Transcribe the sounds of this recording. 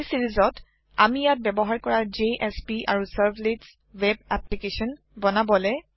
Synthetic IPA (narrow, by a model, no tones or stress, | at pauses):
siɹizɔt | amijat̚bɛbɔɦaɹkɔɹad͡ʒeʔɛspia̰ɹusaɹblets | wɛbɛplikesɔn | bɔnabɔlɛ